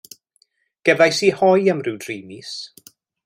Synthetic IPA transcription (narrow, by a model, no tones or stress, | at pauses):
ɡ̥ɛðajsiːhɔjəmrɪwdriːmis